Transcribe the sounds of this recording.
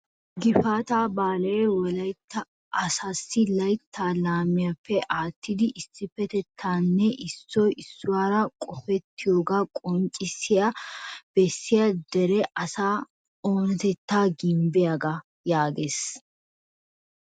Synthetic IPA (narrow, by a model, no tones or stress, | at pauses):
ɡɪfaːt̪aːbaːlɛjɛwɔlɐjt̪ːɐ | ʔɐsasːɪlɐjt̪ʰːaːlaːmɪjafːɛʔaːt̪ʰːɪd̪ɪʔɪsːɪfːɛt̪ɛt̪ʰːaːnːɛʔɪsːɔjɪsːʊwaːɾɐkʼɔfɛt̪ːɪjoːɡakʼɔnt͡ʃʼɪsːɪjab̥ɛsːɪjɐd̪ɛɾɛʔɐsaː | oːnɛt̪ɛt̪ːaːɡɪmbɪjaɡɐ | jaːɡeːs